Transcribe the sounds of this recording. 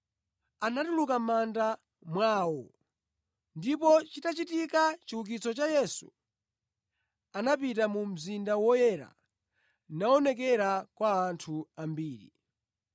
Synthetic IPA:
anatulukamanda | mwaːwɔ̰ | ndipɔt͡ʃitat͡ʃitikat͡ʃiwuk̬it͡sɔt͡ʃajɛsu | anapitamum̩zindawɔjɛɾa̰ | naɔnɛk̬ɛɾakwaːntʰuambiːɾḭ

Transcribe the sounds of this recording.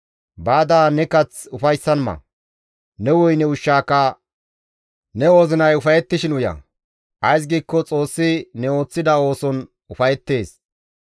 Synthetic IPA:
baːd̪aːnɛkɐt͡sʊfɐjsːɐnmɐ̰ | nɛwɔjnɛʊʃːaːkːɐ | nɛo̞ːzɪnɐjʊfɐjɛt̪ːɪʃɪnʊjɐ̰ | ʔɐjs̬ɡiːkːɔt͡sʼo̞ːsːɪnɛo̞ːt͡sːɪd̪ɐo̞ːsɔn | ʊfɐjɛt̪ːe̞ːs

